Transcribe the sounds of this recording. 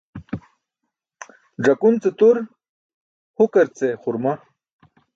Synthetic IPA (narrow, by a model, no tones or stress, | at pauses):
ɖ͡ʐɐkunt͡set̪uɾ | hukɐɾt͡seχʊɾma